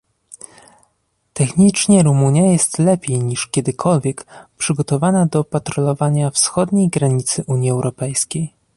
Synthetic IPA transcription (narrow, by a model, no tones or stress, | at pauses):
t̪ɛxɲit͡ʂɲɛɾumuɲjajɛst̪lɛpʲjejɲiʂkʲɛd̪ɘkʰɔlvʲjɛkpʂɘɡɔt̪ɔvanad̪ɔpat̪ɾɔlɔvaɲafsxɔd̪ɲejɡɾaɲit̪sɘʔuɲjiɛwɾɔpɛjskʲej